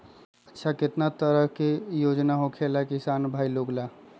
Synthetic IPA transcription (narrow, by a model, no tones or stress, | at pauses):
ətːʃʰaket̪nat̪əɾəɦkejod͡ʒnaɦokʰelakisanbʱailoɡla